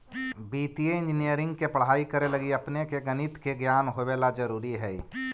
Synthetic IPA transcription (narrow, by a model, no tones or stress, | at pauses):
biːt̪ijeɪ̃nd͡ʒɪnijəɾɪ̃ŋɡkepəɽ̤aːikəɾelɐɡiɐpnekeɡənɪt̪keɡjaːnɦoweːlad͡ʒɐɾuːɾiɦɛː